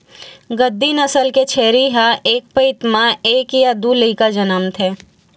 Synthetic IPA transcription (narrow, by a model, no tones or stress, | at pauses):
ɡəd̪ːinəsəlket͡ʃʰeːɾiɦaʔeːk̚pɐɪt̪mãeːkjad̪uləikad͡ʒɐnəmt̪ʰɦɛː